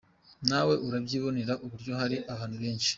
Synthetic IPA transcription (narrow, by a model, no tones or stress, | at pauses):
nawe̞ʔuɾabɟiːβo̞neɾaʔuβuɾɟo̞ɦaɾiʔaβaːn̥uβe̞ːnʃi̥